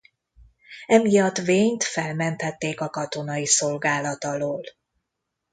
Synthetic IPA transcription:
ɛmijɒt̪ʋeːɲt̪fɛlmɛnt̪ɛt̪ːeːkɒkɒt̪o̞nɒiso̞lɡaːlɒt̪ɒloːl

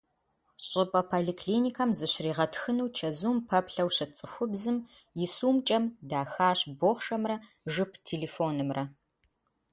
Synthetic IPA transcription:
ɕʼɪpʼɐpʰolikʰliːnikʰɐmzɨɕriːʁɐtxɨnuwt͡ʃʰɐzuːmpʰɐpɬɐwɕɐt͡sʼɨxʷʊbzɨm | jɪsuːmt͡ʃʼɐmdaːxaːɕboːχʂɐmrɐ | ʒɨpʰtʰeːleːfoːnɨmrʔɐ

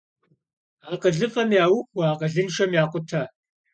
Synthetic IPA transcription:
aːqəɮɨfɐmjaːwʊxʷɐaːqʼəɮɨnʃɐmjaːqʷʼʊtʰɐ

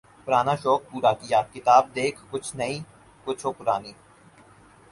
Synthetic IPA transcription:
pʊɾaːnaʃɔːk̚puːɾakɪjaːkɪt̪aːb̚d̪eːkʰkʊt͡ʃʰnɐĩː | kʊt͡ʃʰoːpʊɾaːniː

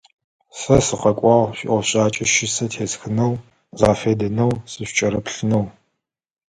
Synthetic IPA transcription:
sɐsɨqɐkʷʼɑːʁɕɪ̰ʔʷɔɕʼaːt͡ʃʼɐʃɪsɐtʰeːsxɨnɐw | zaːfeːdɐnɐwsɨɕt͡ʃʼɐɾɐpɬɨnɐw

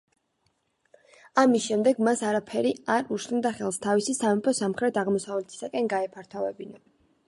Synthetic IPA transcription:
amisʃɛmd̪ɛɡmasaɾapʰɛɾiaɾuʃnd̪aχɛlˠst̪ʰavisisamɛpʰɔsamχɾɛt̪ʰaʁmɔsavlɛt̪ʰi̥sakʼɛnɡaɛpʰaɾt̪ʰɔvɛbina

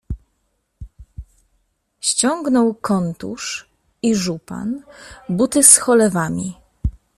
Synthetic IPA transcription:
ɕt͡ɕɔŋɡnɔwkɔnt̪ṵʂ | iʐupa̰nbut̪ɘsxɔlɛvamʲi

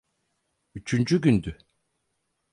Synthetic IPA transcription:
yt͡ʃʰynd͡ʒyɟynd̪y

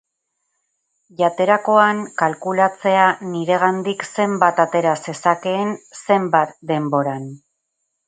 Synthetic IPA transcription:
ʎat̪e̞ɾako̞ankalkulat͡se̞aniɾe̞ɣ̞and̪ikse̞mbat̪at̪e̞ɾase̞sake̞ːnse̞mbat̪d̪e̞mbo̞ɾan

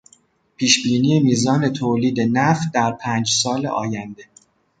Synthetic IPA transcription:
pʰiːʃbiːniːjemiːzɒːne̞t̪ʰoːliːd̪e̞næf̚d̪æɾpʰæːnd͡ʒsɒːlḛʔɒ̰ːjænd̪e̞

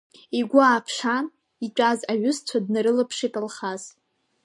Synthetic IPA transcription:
iɡʷʊaːpʰʂan | it͡ʃʷʼazaɥʊst͡sʷʰadnaɾɨlɨpʰʂitʼalχaz̥

